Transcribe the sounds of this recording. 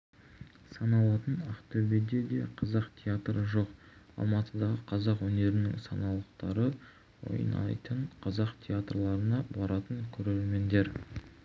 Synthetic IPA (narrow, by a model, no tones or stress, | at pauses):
sɑnɑlˠɑt̪ənaχt̪obed̪ed̪e̞̰qʰɑzɑqt̪ʲʰeat̪ɾəʒo̞qɑ̰lˠmɑt̪əd̪ɑʁəqʰɑzɑqwɵne̞ɾɪnɪ̰ŋsɑnɑlˠəqt̪ɑɾə | wo̞̰j̰nɑ̰jt̪əɴqʰɑzɑqt̪ʲʰeat̪rlˠɑɾənɑbɑɾɑt̪əŋkʲʰɵɾe̞ɾme̞nd̪e̞ɾ